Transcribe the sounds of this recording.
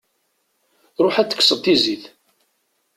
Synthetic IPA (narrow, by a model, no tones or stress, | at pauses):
ɾˤoħæt͡sːə̥kːsəd̪t̪iziθ